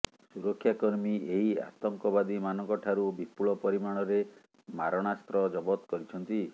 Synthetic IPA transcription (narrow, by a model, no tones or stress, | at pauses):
suɾɔkʰːjakɔɾmieɦia̰t̪ɔŋkɔbad̪imanɔŋkɔʈʰaɾubipuɭɔpɔɾimaɽ̃ɔɾe | maɾɔɽ̃ast̪ɾɔd͡ʒɔbɔt̪kɔɾit͡ʃʰɔnt̪i